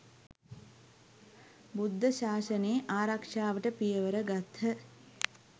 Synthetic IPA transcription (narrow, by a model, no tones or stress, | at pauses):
bud̪ʱːəʃaːsəneːʔaːɾakʂaːʋəʈəpijəʋəɾəɡat̪hə